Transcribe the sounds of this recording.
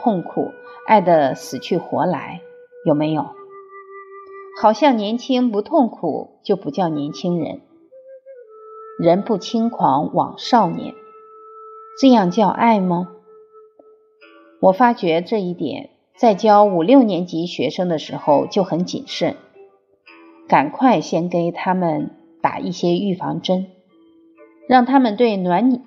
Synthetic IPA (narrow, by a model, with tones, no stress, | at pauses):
t̪ʰʊ˥˩ŋkʰṵ˨˩ | a̰˥˩ɪd̪ə˩sɹ̩˨˩t͡ɕʰy˥˩xwɔ̰˧˥la̰˧˥ɪ | jo˨˩ʊme˧˥ɪjo˨˩ʊ | xɑ˨˩ʊɕjɑ˥˩ŋnjɛ˧˥nt͡ɕʰi˥ŋpu˧˥t̪ʰʊ˥˩ŋkʰṵ˨˩t͡ɕjo˥˩ʊpu˧˥t͡ɕjɑ˥˩ʊnjɛ˧˥nt͡ɕʰi˥ŋɻə̰˧˥n | ɻə˧˥npu˥˩t͡ɕʰi˥ŋkʰwɑ˧˥ŋwɑ̰˨˩ŋʂɑ˥˩ʊnjɛ̰˧˥n | ʈ͡ʂɤ˥˧jɑ˥˧ŋt͡ɕjɑ˥˧ʊʔa˥˩ɪmə˩ | wɔ˨˩fa˥t͡ɕɥɛ˧˥ʈ͡ʂɤ˥˧i˥˩t̪jɛ̰˨˩˦n | t͡sa˥˩ɪt͡ɕjɑ˥ʊu˨˩ljo˥˩ʊnjɛ˧˥nt͡ɕi˧˥ɕɥɛ˧˥ʂɤ˥ŋd̪ə˨ʂɻ̩˧˥xo˥˧ʊt͡ɕjo˥˩ʊxə˧˥nt͡ɕḭ˨˩nʂə˥˩n | ka˨˩nkʰwa˥˧ɪɕjɛ˥nke˥ɪt̪ʰa˥mə˨n | t̪a̰˨˩ʔi˥˩ɕjɛ˥y˥˩fɑ̰˧˥ŋʈ͡ʂə˥n | ɻɑ˥˩ŋt̪ʰa˥mə˨nt̪we˥˩ɪnwa˧˥n